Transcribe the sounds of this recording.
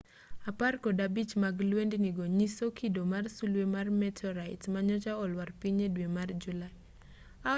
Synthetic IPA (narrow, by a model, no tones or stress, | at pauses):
aparkɔdabit͡ʃmaɡlwendniɡoɲisokʰidomarsulwemarmɛtʰɔɾaitmaɲɔt͡ʃaɔlwarpiɲedwemard͡ʒula | a